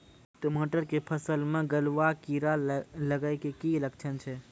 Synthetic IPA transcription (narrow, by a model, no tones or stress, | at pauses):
ʈomoʈəɾkepʰəsəlmẽɡəlʋakiɾaləɡəɪkekilək̚t͡ʃʰənt͡ʃʰɛ